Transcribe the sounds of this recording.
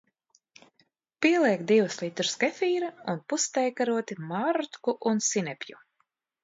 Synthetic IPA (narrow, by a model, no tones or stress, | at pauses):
piɛlˠiɛkd̪iwuslˠit̪uɾskɛfiːɾaunpust̪ɛjkaɾuɔt̪imaɾt̪kuʔunsinɛpʲju